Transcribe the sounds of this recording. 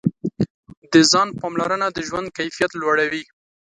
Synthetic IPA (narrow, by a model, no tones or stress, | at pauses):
d̪əzɑnpɑmlaɾənad̪əʒwand̪̚kajfijat̪lwaɽawi